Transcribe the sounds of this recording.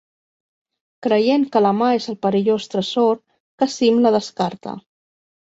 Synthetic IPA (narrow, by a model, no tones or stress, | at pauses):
kɾəjeŋkələmaezəlˠpəɾiʎost̪ɾəsoɾ | kəsimləðəskaɾt̪ə̰